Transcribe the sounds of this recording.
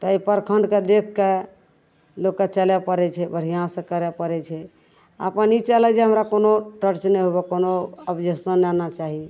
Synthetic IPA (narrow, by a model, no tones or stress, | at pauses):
t̪ɔipəɾkʰəɳɖked̪ekʰːe | lokːet͡ʃəlɛpəɾɛt͡ʃʰɛbʱəɽ̤ijãsə̃kəɾɛpəɾɛt͡ʃʰɛ | ə̰pənit͡ʃəlɛd͡ʒɛɦəmɾakonoʈəɾt͡ʃnɛɦobɛkonoəpd͡ʒʱəsənːanat͡ʃaɦi